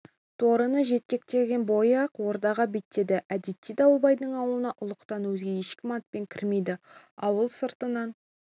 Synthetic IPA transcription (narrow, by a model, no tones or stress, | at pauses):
t̪ʰo̞ɾənəʒe̞t̪̚kʲe̞k̚t̪e̞ɡʲe̞nbo̞jɑqwo̞ɾd̪ɑʁɑbet̪ːe̞d̪ɪʔæd̪et̪ːid̪ɑwəbɑjd̪əɴɑwlˠənɑʔʊlˠəqt̪ɑnwɵzɡʲe̞je̞ʃkʲɪmɑt̪̚pe̞ŋkʲʰɪɾme̞jd̪ɪ | ɑwəlˠsəɾt̪ənɑn